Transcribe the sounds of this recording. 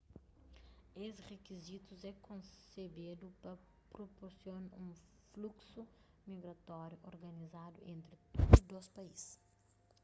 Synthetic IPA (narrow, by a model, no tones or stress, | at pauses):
esʁekizit̪uzɛkõsebed̪upɐ | pɾopoɾsjonũ | fluksu | miɡɾɐt̪ɔɾjuʔoɾɡɐnizad̪uʔẽnt̪ɾɪud̪ospɐiz̥